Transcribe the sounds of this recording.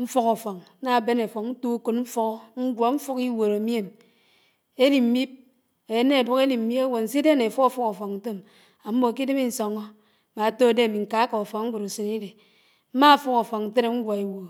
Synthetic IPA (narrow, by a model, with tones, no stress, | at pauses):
ɱ̩˦fɔ˦ko˨fɔ˨ŋ˦na˨be˦ne˨fɔ˨kn̩˦tu˦ku˨tm̩˦fu˦kɔ˦ŋ̩˦ɡʷɔ˨ɱ̩˦fu˦ki˦wo˨ɾo˨m˦e˦m | e˦li˨m̩˦mi˦p̚ | e˨˦ne˦˨bu˦ke˦li˨m̩˨mi˦ba˦wo˨n̩˨si˦de˦ne˨fu˦o˦fu˦ko˨fɔ˨ŋn̩˦te˦m | a˨m̩˦mo˨a˨k̬i˦de˦mi˦n̩˨sɔ˨ŋo˦ | ma˨to˦˨de˦a˨mi˨ŋ̩˨ka˨a˦ka˨o˨fɔ˨ŋ˦ŋ̩˦ɡʷu˨ɾu˨se˨ni˦de˨ | m̩˦ma˦˨fu˦ko˨fɔ˨kn̩˨˦te˦ɾe˦ŋ̩˦ɡʷa˨e˨wo˨